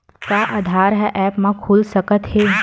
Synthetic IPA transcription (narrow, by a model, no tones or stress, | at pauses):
kaːʔaːd̪ʱaːɾɦɛʔɛːpmãkʰuːlsɐkət̪ɦe